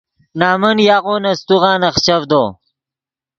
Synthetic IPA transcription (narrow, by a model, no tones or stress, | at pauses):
naːmɐnjaːʁoːnɐst̪uʁɑːnɐχt͡ɕɐvd̪oː